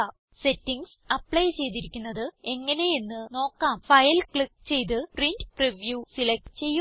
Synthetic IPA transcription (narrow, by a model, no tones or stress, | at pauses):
se̞tːiŋɡsɐpːɭɐjt͡ɕe̞jt̪̬iɾikʲːunːɐðɨe̞ŋːɐne̞jinːɨno̞ːkːaːmfɐjɐlkɭik̚ːt͡ɕe̞jt̪̬ɨprindɨpriʋjuːsilek̚ʈɨt͡ɕe̞jːu